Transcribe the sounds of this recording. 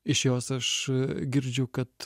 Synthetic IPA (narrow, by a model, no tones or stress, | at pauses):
ɪʃjɔsɐʃɡʲɪɾʲd͡ʒʲoʊkɐt̪